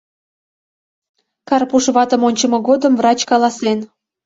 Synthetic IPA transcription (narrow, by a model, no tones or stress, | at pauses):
kɑrpuʃβɑt̪ə̆monʲt͡ɕəmɤ̆ɣod̪əmvrɑt͡ɕkɑlɑslen